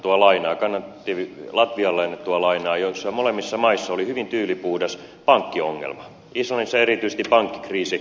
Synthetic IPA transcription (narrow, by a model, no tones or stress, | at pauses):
t̪uɑlɑinɑːkɑnːɑt̪ːiʋlɑt̪ʋiɑlːˑɑinːet̪t̪uɑlɑinɑːjoisːɑmolemːisːɑmɑisːɑolihyʋint̪yːlipuhdɑs | pɑŋkːioŋːḛlmɑ | islɑnisːɑerit̪yise̥st̪ippɑŋkːi̥kriːsi